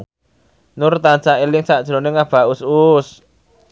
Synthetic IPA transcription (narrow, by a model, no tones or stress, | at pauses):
nʊrt̪ant͡ʃaelɪŋsaʔd̥ʒ̥ɾoneŋab̥a̤usus